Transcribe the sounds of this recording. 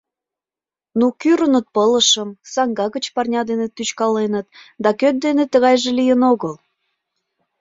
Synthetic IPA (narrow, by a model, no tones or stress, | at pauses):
nukyɾənət̪̚pələʃəmsɑŋɡɑɣət͡ɕpɑrnʲɑd̪enet̪yt͡ɕkɑlenət̪̚d̪ɑkøt̪̚d̪enet̪əɣɑjʒelijənoɣəl